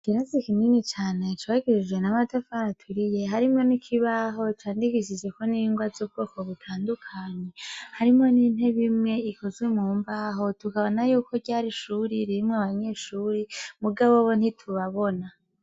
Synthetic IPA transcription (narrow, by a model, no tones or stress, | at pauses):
kiɾezikiminit͡ʃaːne̞t͡ʃwaɡiɾid͡ʒwe̞namadafaɾatʰuɾije̞ɦaɾimo̞nikʰiβaɦo̞t͡ʃaːndikiʃ̬id͡ʒe̞ko̞niŋɡwazub̚ɡo̞ko̞βutʰaːndukʰaɲehaɾimo̞niːn̥he̞βimŋe̞ikozɡwe̞mŋuːmbaɦo̞tukaβo̞najuːko̞ɟaːɾiʃuɾiɾiɾimŋaβaɲe̞ʃuːɾimuɡaβoβon̥itʰuβaβo̞na